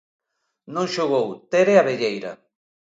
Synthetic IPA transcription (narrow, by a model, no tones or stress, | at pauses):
nõŋʃoɣ̞owt̪eɾeaβeʎejɾa̰